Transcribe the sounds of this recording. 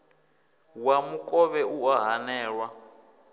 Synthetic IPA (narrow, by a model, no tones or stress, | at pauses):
wamukʼɔβɛuaɦanɛːɺwa